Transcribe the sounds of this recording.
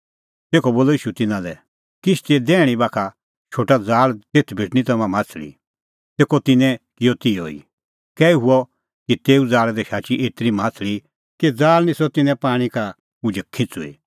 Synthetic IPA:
t̪eːkʰɔboːlɔiːʃut̪ɪnãlɛ | kɪt͡ʃʰt̪ed̪ɛːɽ̃ibaːkʰa | t͡ʃʰoːʈad͡zaːlt̪eːt̪ʰbʱɪʈñĩt̪ɐmãmãːt͡sʰlḭ | t̪eːkɔt̪ɪnɛ̃kɪjɔt̪ijɔḭ | kɛːiɦʊɔ | kit̪eːud͡zaːld̪ɛʃaːt͡ʃiʔeːt̪ɾimãːt͡sʰli | kid͡zaːlnĩsɔt̪ɪnɛ̃paːɽ̃ika | ʊd͡ʒɛkʰːɪ̃t͡sṵḭ

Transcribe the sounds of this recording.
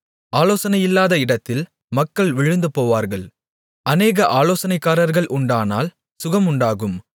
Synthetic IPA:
aːloːsɐnɐjɪlːaːðɐɪɽɐt̪ːɪl | mɐkːɐɭʋɪɻɯnd̪ɯpoːʋaːɾɣɐɭ | ʔɐneːɣɐʔaːloːsɐnɐɪkːaːɾɐɾɣɐɭʔʊɳɖaːna̰ːl | sʊɣɐmʊɳɖaːɣɯm

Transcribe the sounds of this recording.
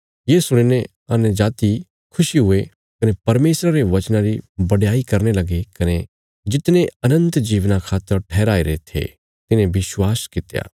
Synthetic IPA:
jesʊɽ̃enẽ | ɐnd͡ʒaːt̪i | kʰʊʃiɦʊe | kɐnepɐɾmeːsɾaɾeʋɐt͡ʃnãɾibɐɽjaːikɐɾnelɐɡekɐne | d͡ʒɪt̪nẽɐnə̃nt̪d͡ʒiːʋnakʰaːt̪ːəɾʈʰɛːɾaːeɾet̪ʰḛ | t̪ɪnẽbɪswaːskɪt̪ja̰ː

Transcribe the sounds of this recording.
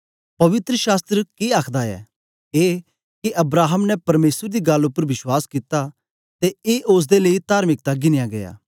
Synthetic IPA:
pɐʋɪt̪ɾəʃaːst̪ɾəkiaːkʰd̪aɛ̰ | eː | kiʔɐbɾaːɦəmnɛpɐɾmeːsəɾd̪iɡɐlʊpːəɾʋɪʃwaːskɪt̪a | t̪eeːʔoːs̬d̪eleːit̪aːɾmɪk̚t̪aɡɪnɪjaɡɐja̰ː

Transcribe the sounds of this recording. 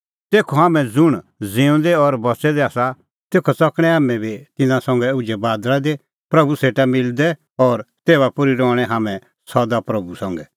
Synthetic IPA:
t̪eːkʰoɦaːmɛ̃d͡zʊɽ̃d͡zẽːũnd̪ɛɔɾbɐsɛd̪ɛaːsa | t̪eːkʰɔt͡sɐkɽ̃ɛ̃ɦaːmɛ̃bit̪ɪnãsɔ̃ŋɡɛʊd͡ʒɛbaːd̪lad̪e | pɾɐbuseːʈamɪld̪ɛ | ɔːɾt̪eːβapʊɾiɾɔːɽ̃ɛɦaːmɛ̃ | sɔd̪apɾɐbusɔ̃ŋɡɛ

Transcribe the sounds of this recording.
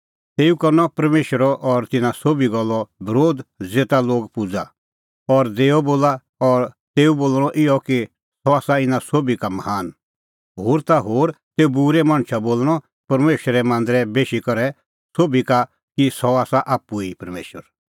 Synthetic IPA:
t̪eːukɔɾnɔpɐɾmeːʃəɾɔʔɔɾt̪ɪnãsobiɡɔlːɔbɪɾoːd̪d͡zeːt̪aloːɡpʊd͡za | ɔɾd̪eːɔboːla | ɔɾt̪eːuboːlɽ̃ɔʔɪɔki | sɔaːsaɪnãsoːbikamɐhaːn | ɦoːɾt̪aɦoːɾt̪eːubuɾɛmãːɽ̃t͡ʃʰaboːlɽ̃ɔ | pɐɾmeːʃəɾɛmãːnd̪ɾɛbeːʃikɔɾɛ | soːbika | kisɔaːsaʔaːpːuipɐɾmḛːʃəɾ

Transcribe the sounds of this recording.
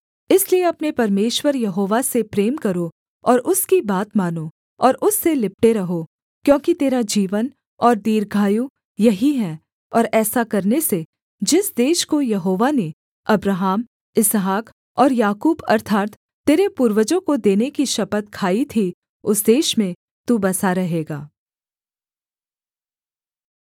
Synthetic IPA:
ɪslieɐpnepɐɾmeːʃwəɾjɐɦoːʋasepɾeːmkɐɾo | ɔːɾʊskibaːt̪maːno | ɔːɾʊsːelɪp̚ʈeɾɐɦo | kjõːkit̪eːɾad͡ʒiːʋən | ɔːɾd̪iːɾɡʱaːju | jɐɦiɦɛː | ɔːɾɛːsakɐɾnese | d͡ʒɪsd̪eːʃkojɐɦoːʋane | ɐbɾaɦaːm | ɪsɦaːk | ɔːɾjaːkuːbɐ̰ɾt̪ʰaːɾt̪ː | eːɾepuɾʋəd͡ʒõkod̪eːnekiʃɐpət̪kʰaːit̪ʰi | ʊsd̪eːʃmẽ | t̪ubɐsaɾɐɦeːɡaː

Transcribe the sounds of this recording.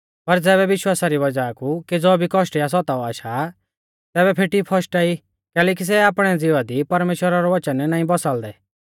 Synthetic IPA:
pɐɾd͡zɛːβɛʋɪʃwaːsaɾiʋɐd͡ʒaːkukid͡zɔbʱikɔʃʈjas̬ɔt̪aɔaːʃa | t̪ɛːβɛpʰeːʈipʰɔsʈai | kɛːlɛːk̬is̬ɛaːpɽ̃ɛd͡zɪʋad̪ipɐɾmeːʃwəɾaɾɔʋɐt͡ʃənnãːĩbɔsald̪ɛ

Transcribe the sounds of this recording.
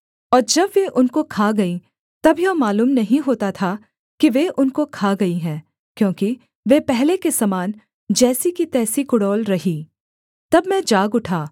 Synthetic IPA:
ɔːɾd͡ʒɐbʋeʔʊnkokʰaːɡɐĩ | t̪ɐbijomaːluːmnɐɦĩɦoːt̪at̪ʰa | kiʋeʔʊnkokʰaːɡɐiɦɛ̃ː | kjõːki | ʋepɛɦlekesɐmaːn | d͡ʒɛːsikit̪ɛːsikʊɽɔːlɾɐɦiː | t̪ɐbmɛ̃d͡ʒaːɡʊʈʰaː

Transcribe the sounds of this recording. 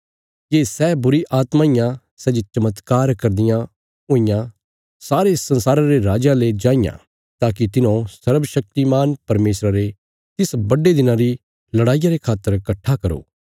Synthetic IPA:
keːsɛːbʊɾiʔaːt̪maːɪjã | sɛd͡ʒet͡ʃɐmət̪kaːɾkɐɾd̪ɪjã | ɦoːɪjã | saːɾesɐ̃nsaːɾãɾeɾaːd͡ʒaled͡ʒãːɪjã̰ | t̪aːk̬it̪ɪnõsɐɾbʃɐk̚t̪imaːnpɐɾmeːsɾaɾe | t̪ɪsbɐɖed̪ɪnãɾi | lɐɽaːijaɾekʰaːt̪ːəɾkɐʈʰːakɐɾo̰ː

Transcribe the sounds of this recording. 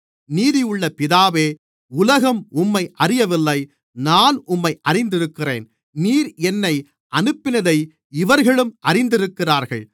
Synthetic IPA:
niːðɪjɯɭːɐpɪðaːʋeː | ʊlɐɣɐmʊmːɐɪʔɐrɪjɐʋɪlːɐɪ | naːnʊmːɐɪʔɐrɪnd̪ɪɾɯkːɪreːn | niːɾɛnːɐɪ | ʔɐnɯpːɪnɐðɐɪ | ɪʋɐɾɣɐɭɯmʔɐrɪnd̪ɪɾɯkːɪraːɾɣɐɭ

